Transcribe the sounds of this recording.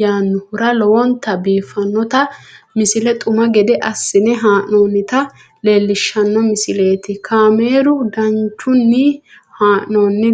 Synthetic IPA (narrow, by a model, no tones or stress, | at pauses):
jaːnːʊhʊɾɐlɔwɔnt̪ɐbiːfɐnːɔt̪ɐmɪsɪlɛt̪ʼʊmɐɡɛd̪ɛʔɐsːɪnɛɦaːʔnoːnːɪt̪ɐ | le̞ːlːɪʃːɐnːɔmɪsɪle̞ːt̪ɪkʰaːme̞ːɾʊd̪ɐnt͡ʃːʊnːɪ | haːʔnoːnːɛ